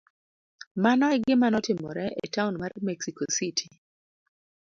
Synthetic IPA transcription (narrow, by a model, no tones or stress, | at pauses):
manɔɛɡɪmanɔtɪmɔ̰ɾɛʔḛtaʊnmarmɛksikositʰi